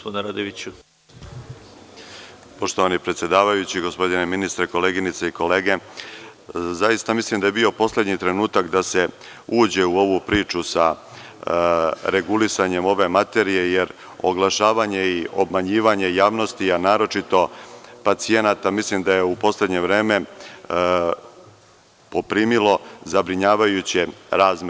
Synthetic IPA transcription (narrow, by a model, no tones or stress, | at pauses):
pod̪nɾad̪eʋit͡ɕu | poʃt̪oʋanipɾet̪sje̞d̪aːʋajut͡ɕiɡo̞spo̞d̪ineminist̪ɾeko̞le̞ːɡinit̪seiko̞le̞ːɡe̞ | zajist̪amislimd̪ajebio̞po̞sle̞d̪ɲit̪ɾe̞nuːt̪akd̪ase̞ | uːd͡ʑe̞uo̞ʋupɾiːt͡ʃusa | ɾe̞ɡulisaɲe̞mo̞ʋe̞mat̪e̞ɾije̞jeɾ | o̰ɡlˠaʃaːʋaɲe̞io̞bmaɲiːʋaɲe̞jaːʋno̞st̪ianaːɾo̞t͡ʃit̪o̞pat̪sije̞nat̪amislimd̪aje̞upo̞sle̞d̪ɲe̞ʋɾe̞ːme̞ | po̞pɾiːmilo̞zabɾiɲaːʋajut͡ɕeɾaːzm